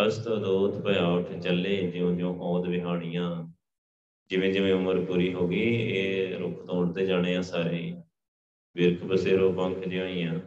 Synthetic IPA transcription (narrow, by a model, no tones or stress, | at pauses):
əst̪õːd̪oːt̪ʰpəjaːʊʈʰt͡ʃəlːẽːd͡ʒɪõːd͡ʒõːʔɔːd̪ʋɪɦaːɽ̃ɪjãː | d͡ʒɪʋẽːd͡ʒɪʋẽːʊməɾpuːɾiːɦoːɡiːeːɾʊ̰kʰt̪õːʊɽd̪eːd͡ʒaːɽ̃eːãːsaːɾeː | bɪɾkʰbəseːɾoːpə̃ŋkʰd͡ʒɪãːiːjãː